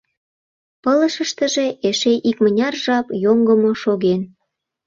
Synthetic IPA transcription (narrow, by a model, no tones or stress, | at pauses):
pələʃəʃt̪əʒe̽ʔeʃeʔikmənʲɑrʒɑpjoŋɡəmoʃoɣen